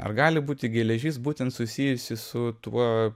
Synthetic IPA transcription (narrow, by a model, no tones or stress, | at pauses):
ɐ̰rɡɑːlʲɪbuːt̪ʲɪɡʲɛːlʲɛʒʲiːsbuːt̪ʲɛnt̪sʊsʲijʊsʲɪsʊt̪uɔ